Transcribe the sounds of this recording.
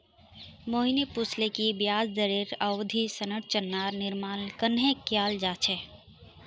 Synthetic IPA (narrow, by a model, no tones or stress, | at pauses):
moːɦinepuslekibjaːd͡ʒd̪əɾeɾəwd̪ʱisənəʈ̚ʰt͡ʃənːaːɾnɪɾmaːnkənɦẽkjaːld͡ʒaːt͡ʃʰɛ